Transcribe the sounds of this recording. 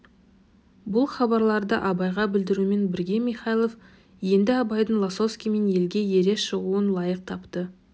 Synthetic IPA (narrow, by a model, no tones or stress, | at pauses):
bʊlˠχɑbɑɾlˠɑɾd̪əʔɑbɑjʁɑbɪld̪ɪɾume̞nbɪɾɡʲe̞mijχɑjlˠof | je̞nd̪ɪɑbɑjd̪əɴlˠaso̞fskʲijme̞nje̞lɡʲe̞je̞ɾe̞sʃəʁuənlˠɑjəq̚t̪ʰɑpt̪ə